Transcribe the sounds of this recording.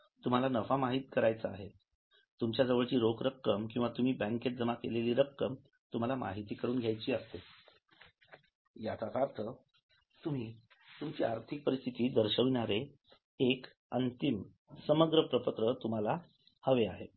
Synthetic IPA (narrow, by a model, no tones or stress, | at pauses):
t̪um̤alanəʋamaɦit̪i̥kəɾajt͡səa̰ɦe | t̪umt͡ɕjad͡zəʋəɭt͡ɕiːɾokɾəkːəmkĩw̃ʋat̪um̤iːbə̃ŋket̪̚d͡zəmakeleliːɾəkːəm | t̪um̤alama̰ɦit̪iːkəɾuːnɡʱjajt͡ɕiːəst̪e | jat̪at̪aɾt̪ʰə | t̪um̤iː | t̪umt͡ɕiːaɾt̪ʰik̚pəɾist̪ʰit̪iːd̪əɾɕəʋiɳaɾe | ek | ənt̪im | səməɡɾəpɾəpət̪ɾət̪um̤ala | həʋeaɦe